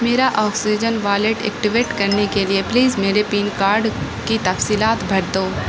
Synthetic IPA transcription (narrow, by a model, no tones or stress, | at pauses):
meːɾaʔɔːksid͡ʒənʋaːleʈḛːkʈɪʋeːʈkɐɾnekeliepliːzmeːɾepiːnkaːɾɖ | kit̪ɐfsiːlaːt̪bʱɐɽd̪oː